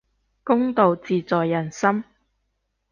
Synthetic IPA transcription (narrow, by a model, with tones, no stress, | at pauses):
kʊ˥ŋt̪o˨wt͡siː˨t͡sɔː˨jːɐ˨˩nsɐ˥m